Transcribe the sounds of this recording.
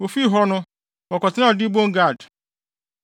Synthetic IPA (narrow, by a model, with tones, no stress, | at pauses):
wo˨fi˦˨ɦɔ˦nʊ̃˦ | wɔ˨kɔ˨tʰɪ˦nã˦˨dɪ˦bõ˦ŋ˦ɡa˦˨d